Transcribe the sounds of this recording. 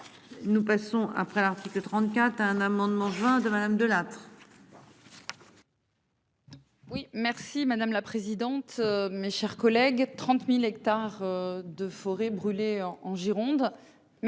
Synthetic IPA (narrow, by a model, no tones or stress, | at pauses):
nupasɔ̃a̰pχɛlaʁt̪iklət̪χɑ̃t̪kʲat̪χaɛ̃namɑ̃d̪mɑ̃ʒɥɛ̃d̪əmad̪amd̪əlat̪χ | wimɛʁsimad̪amlapχezid̪ɑ̃t̪ømeʃɛʁkɔlɛɡt̪χɑ̃t̪milɛkt̪aʁød̪əfɔʁebʁyleɑ̃ʒiʁɔ̃d̪ | m